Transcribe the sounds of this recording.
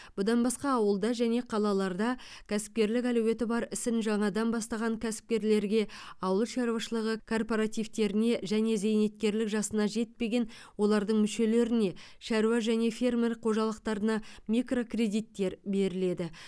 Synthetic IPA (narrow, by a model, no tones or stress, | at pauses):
b̥ʊd̪ɑnbɑsqɑːwəlˠd̪ɑʒæne̞qʰɑlˠɑlˠɑɾd̪ɑkʲʰæsɪ̥p̚kʲe̞ɾlɪkʲæluwe̞t̪ɪbɑɾɪsɪnʒɑɴɑd̪ɑnbɑst̪ɑʁɑŋkʲʰæsɪ̥p̚kʲe̞ɾle̞ɾɡʲe̞ɑwəlˠʃɑɾuwɑʃəlˠəʁəkʰo̞rpo̞ɾat̪ijvt̪e̞ɾɪne̞ʒæne̞ze̞jne̞t̪̚kʲe̞ɾlɪkʒɑsənɑʒe̞t̪̚pe̞ɡʲe̞n | wo̞lˠɑɾd̪əɴmʏʃe̞le̞ɾɪne̞ | ʃæɾuwɑʒæne̞fe̞rme̞rqʰo̞ʒɑlˠəq̚t̪ɑɾənɑmikro̞kre̞d̪ijt̪ːe̞ɾbe̞ɾɪle̞d̪ɪ